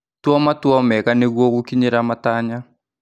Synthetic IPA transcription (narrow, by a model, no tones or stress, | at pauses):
twɔmatwɔmɛkaneɡwokukiɲeɾamataɲa